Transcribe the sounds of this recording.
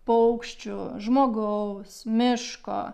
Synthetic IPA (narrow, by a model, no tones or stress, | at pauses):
pɐʊkʃʲt͡ʃʲʊʒmoːɡɐʊsmʲɪʃko̰ː